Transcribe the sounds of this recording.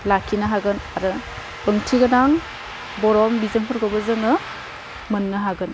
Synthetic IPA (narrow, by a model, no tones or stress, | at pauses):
lakʰːinaɦaɡɯnaɾɯ | ɯŋtʰiɡɯnaŋ | bɔɾɔmbizɯnpʰɯɾɡɔbɐzɯŋɯ | mɯnːɯɦaɡɯn